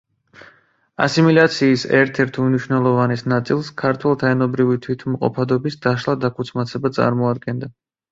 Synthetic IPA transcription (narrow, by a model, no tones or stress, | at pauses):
a̰similat̪sʰiːsɛɾt̪ʰɛɾt̪ʰumniʃwnɛlˠɔvanisnat̪sʼilˠskʰaɾt̪ʰwɛlˠt̪ʰaɛnɔbɾivit̪ʰwit̪ʰmqʼɔ̰pʰad̪ɔbisd̪aʃlˠad̪akʰut̪sʰmat̪sʰɛbat̪sʼa̰ɾmɔad̪̚ɡɛnd̪a